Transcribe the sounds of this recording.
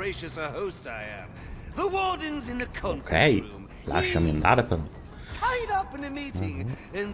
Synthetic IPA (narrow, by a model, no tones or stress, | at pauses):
eɪʃɨsəhoʊstaɪɨ̰̃m | ðəwɔɹdⁿn̩zɨ̃nðɨkʰõkʰeɪ̃m | la̰ʃəmɪ̃nd̪aɾəpən | tʰaɪɾʌpɨ̃nɨmiɾɪ̃ŋ | ɨ̃n